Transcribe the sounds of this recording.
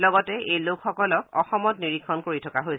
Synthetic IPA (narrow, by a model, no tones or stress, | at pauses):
lɔɡɔtɛejlokxɔkɔlɔkɔxɔmɔtniɹikʰːɔnkoɹitʰɔkaɦoj